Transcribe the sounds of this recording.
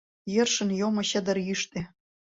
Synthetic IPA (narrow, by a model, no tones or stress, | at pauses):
jə̆rʃə̆njomɤ̆ɕə̆d̪ə̆rjyʃt̪e